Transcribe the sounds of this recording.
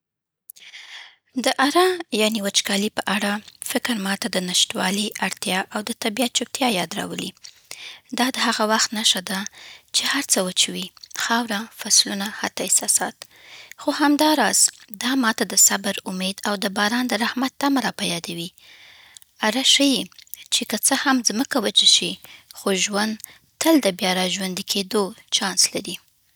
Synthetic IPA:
d̪əʔaɾɑjɑniwat͡ʃkɑlipəʔaɽafɪkɾmɑt̪ad̪ənaʃt̪wɑliʔaɽt̪jɑʔawd̪ət̪abijat̪̚t͡ʃup̚t̪jɑjɑd̪ɾɑ̰wəlḭ | d̪ɑd̪əhaɣawaxt̪naʃad̪at͡ʃehaɾt͡səwət͡ʃawixɑwɾafaslunahat̪aɪsɑsɑt̪ | xohamd̪ɑɾɑz̥d̪ɑmɑt̪ad̪əsabəɾʊmed̪awd̪əbɑɾɑnd̪əɾahmat̪ːamaɾɑpajɑd̪awi | aɾaʃəjit͡ʃekət͡səhamzməkawət͡ʃaʃixoʒwand̪ | t̪əld̪əbjɑɾɑʒwand̪ikʰed̪ot͡ʃɑnslaɾi

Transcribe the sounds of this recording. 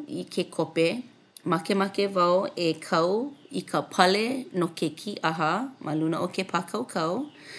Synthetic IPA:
ikʰekʰope | mɐkemɐkevɐoekʰɐwikʰəpʰɐlenokekʰiʔɐɦɐmʔalunəʔokepʰakʰɐwkʰɐw

